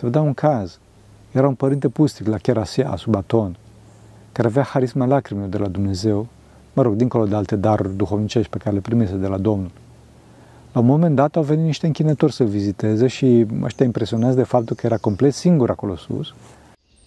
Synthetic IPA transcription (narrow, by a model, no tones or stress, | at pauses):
sevəd̪eauŋkʰaz | jeɾaunpəɾint̪e̞pust̪iklakʲeɾasiaa̰subat̪o̞n | kaɾeaveaxaɾismalakɾimilod̪e̞lad̪umne̞ze̞w | məɾo̞ɡd̪iŋko̞lo̞d̪ealt̪e̞d̪aɾurʲd̪uxovnit͡ʃe̞ʃt̪pekaɾelepɾimesed̪e̞lad̪o̞mnul | launmomend̪at̪awve̞nit̪niʃt̪eɨŋkʲinət̪orʲsəvizit̪e̞zeʃiə̰ʃt̪ʲjaimpɾesio̞nazd̪e̞fap̚t̪ulkəjeɾako̞mple̞t̪siŋɡuɾako̞losṵs